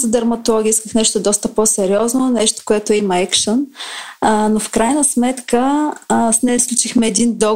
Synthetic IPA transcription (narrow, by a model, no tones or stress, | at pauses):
zəd̪ɐɾmɐt̪olˠɔɡʲiiskəxnɛʃt̪od̪ɔst̪əposɛɾiɔznonɛʃt̪o̥koɛt̪oɛimɐɛkʃən | nofkɾajnəsmɛt̪kəsnɛsklʲut͡ʃixmɛːd̪ind̪ɔ